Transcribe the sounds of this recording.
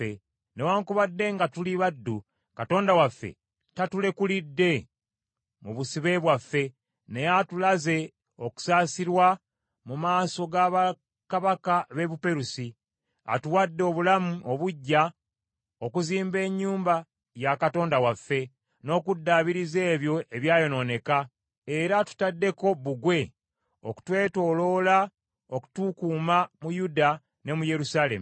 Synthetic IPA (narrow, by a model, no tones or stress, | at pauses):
e | newaːŋkuβadːe̞ŋɡatuliβadːu | kato̞ːndawafːe̞̰ | tatule̞kulidːe̞ | muβusiβe̞βwafːe̞ | ne̞jatulaze̞ | o̞ku̥saːsiɾwa | mumaːso̞ɡaːβa | kaβakaβe̞βupe̞ɾusi | a̰tuwadːeoβulamuoβuɟːa | o̞kuziːmbe̞ːɲːuːmba | jakato̞ːndawafːe̞ | no̞ːkudːaːβiɾize̞ːβjo̞ʔe̞βjaːjo̞no̞ne̞ka | e̞ɾatu̥tadːe̞ko̞βuɡwe̞ | o̞̰ku̥twe̞ːto̞ːlo̞ːla | oku̥tukuːmamujuda | ne̞muje̞ɾusaːle̞̰mu